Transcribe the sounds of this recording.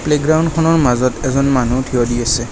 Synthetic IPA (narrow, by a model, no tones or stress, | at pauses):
pleɡɹawnkʰɔnɔɹmazɔtɛzɔnmanutʰiɔdiasɛ